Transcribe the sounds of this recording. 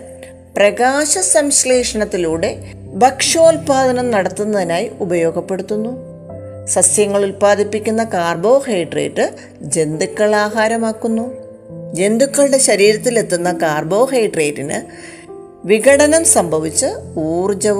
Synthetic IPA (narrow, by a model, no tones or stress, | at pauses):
prɐɣaːɕɐsɐmsleːʂɐɳɐt̪ːiluːɽe̞ | bɐkʂo̞ːlpaːd̪ɐnɐmnɐɽɐt̪ːunːɐðinaːjiubɐjo̞ːɡɐpːe̞ɽut̪ːunːu | sɐsjɐŋːɐɭulpaːd̪ʱipːikʲːunːɐkaːrbo̞ːheːjʈrḛːʈːɨ | d͡ʑe̞nd̪ukːɐɭaːɦaːɾɐmaːkːunːu | d͡ʑe̞nd̪ikːɐɭɨɽe̞ɕɐɾiːɾɐt̪ːile̞t̪ːunːɐkaːrbo̞ːɦejʈre̞ːʈːinɨ̰ | ʋiɡɐɽɐnɐmsɐmbʱɐʋit͡ɕːɨuːrd͡ʑɐ